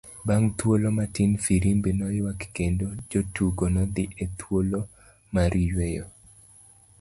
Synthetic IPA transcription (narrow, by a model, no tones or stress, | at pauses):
baŋt̪wolomatinfiɾimbinɔjwakkendod͡ʒotuɡonɔd̪ɪʔet̪wolo | maɾijwejɔ